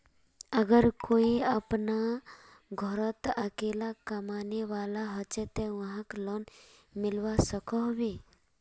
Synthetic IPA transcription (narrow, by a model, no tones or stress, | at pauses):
əɡəɾkoːiəpna | ɡʱɔɾət̪əkeːlakɐmaːneʋaːlaɦət͡ʃet̪eʋɐɦãklɔnmɪlwasəkɔɦbiː